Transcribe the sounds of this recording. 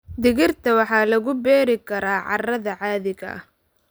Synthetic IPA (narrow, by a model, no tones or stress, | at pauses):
d̪ɪɣɪrt̪ʰɐwɑħɑːlɐɣʊbɛːɾɪkʰɐɾaːʕɑ̰rɐðɐʕɑːðɪɣɐ̰